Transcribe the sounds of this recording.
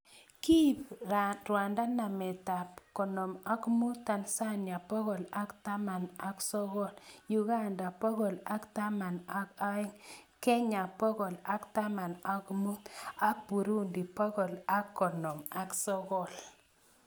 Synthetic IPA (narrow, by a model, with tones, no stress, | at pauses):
ki˦˨pɾwa˨nda˦na˨me˨ta˨pkɔ˨nɔ˨ma˦kmu˦ta˨nsa˦ɲa˨pɔ˦ɣɔ˨la˦kta˦ma˨na˦ksɔ˦ɣɔ˦˨lju˦ɡa˦nda˨pɔ˦ɣɔ˨la˦kta˦ma˨na˦ka˦ŋkɛ˦ɲa˨pɔ˦ɣɔ˨la˦kta˦ma˨na˨kmu˦a˦pu˨ɾu˦ndi˨pɔ˦ɣɔ˨la˦kːɔ˨nɔ˨ma˨ksɔ˦ɣɔ˦˨l